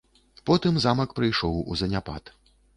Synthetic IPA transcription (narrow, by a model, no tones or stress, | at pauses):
pɔt̪ɨmzamɐkpɾɨjʂɔwṵzɐnʲapa̰t̪